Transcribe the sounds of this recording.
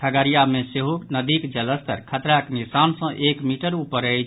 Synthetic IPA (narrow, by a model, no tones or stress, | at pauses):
t̪ʰəɡəɾijameseɦuknəd̪ikd͡ʒələst̪ə̰ɾkʰət̪ɾaknisansə̃ʔekmiʈəɾupəɾəjt͡ʃʰ